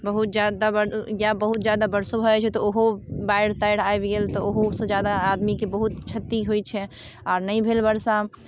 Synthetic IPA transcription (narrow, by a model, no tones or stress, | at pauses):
bəɦut̪̚d͡ʒjad̪abəɾjabəɦut̪̚d͡ʒjad̪abəɾsobʱəɛt͡ʃʰɛt̪ɔoɦobaɪɽt̪ajɽaebɡelt̪ɔoɦosə̃d͡ʒjad̪aːd̪mikebəɦut̪t͡ʃʰət̪ːiɦojt͡ʃʰɛ | aːɾnəĩbʱelbəɾsa